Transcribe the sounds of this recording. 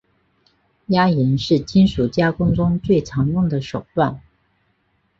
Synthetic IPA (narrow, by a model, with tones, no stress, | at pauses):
ja˥i˧˥nʂɻ̩˥˩t͡ɕi˥nʂu˨˩t͡ɕja˥kʊ˥ŋʈ͡ʂʊ˥ŋt͡swe˥˩ɪʈ͡ʂʰɑ˧˥ŋjʊ˥˩ŋd̪ə˩ʂo˨˩ʊt̪wa˥˩n